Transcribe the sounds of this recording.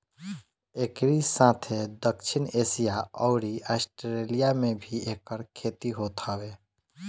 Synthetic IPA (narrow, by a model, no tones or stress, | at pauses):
eːkɾisãːt̪ʰed̪əkʃʰɪneːsijaɔːɾiaːsʈɾelijamẽbʱieːkəɾkʰeːt̪iɦot̪aweː